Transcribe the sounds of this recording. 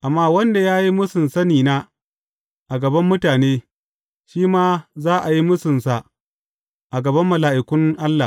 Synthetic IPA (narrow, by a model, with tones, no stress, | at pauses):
ʔa˨mːaː˦wɐ˦nda˨jaː˦ji˦mʊ˦sɪ˨nsɐ˦niː˨naː˦ | ʔa˨ɡɐ˨bɐ˦mːʊ˦taː˨neː˦ | ʃiː˦maː˦zaː˦ʔa˨ji˦mʊ˦sɪ˨nsa˨ | ʔa˨ɡɐ˨bɐ˦mːʊ˨laː˨ʔɪ˨kʷʊ˦ŋʔa˦lːa˨